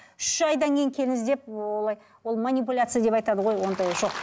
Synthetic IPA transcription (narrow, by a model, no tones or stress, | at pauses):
ʏʃɑjd̪ɑŋkʲʰejɪŋkʲʰe̞lɪŋɪzd̪e̞p̚olˠɑj | wo̞lˠmanʲipulʲat̪sɨjad̪e̞pɑjt̪ɑd̪əʁo̞jwo̞nd̪ɑjʒo̞q